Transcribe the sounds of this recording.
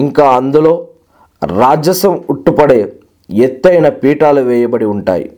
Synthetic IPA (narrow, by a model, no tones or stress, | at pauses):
iŋkaːɐnd̪ulo̞ː | ɾaːd͡ʒɐsɐmuʈːupɐɽeː | et̪ːɐjnɐpiːʈaːluʋɛːjɐbɐɽiuɳʈa̰ːjḭ